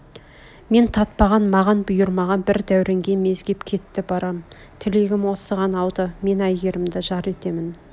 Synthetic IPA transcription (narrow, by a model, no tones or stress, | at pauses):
me̞nt̪ʰɑt̪̚pɑʁɑnmɑʁɑnbʊjəɾmɑʁɑnbɪɾd̪æwɾʔeŋɡʲe̞me̞zɡʲe̞pkʲʰe̞t̪ːɪbɑɾɑm | t̪ʰɪle̞ɡʲɪmwo̞səʁɑnɑwd̪əme̞næjɡeɾɪmd̪ɪʒɑɾe̞t̪e̞mɪn